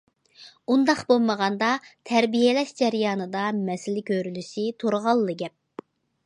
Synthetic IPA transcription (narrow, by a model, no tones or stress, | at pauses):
und̪ɑqbolˠməʁɑnd̪ɑt̪ʰɛɾbijelɛʃd͡ʒɛɾijɑːnɨd̪ɑmɛsɪlɪkʲʰøɾylyʃit̪ʰoɾʁɑlˠːɨɡʲɛp̚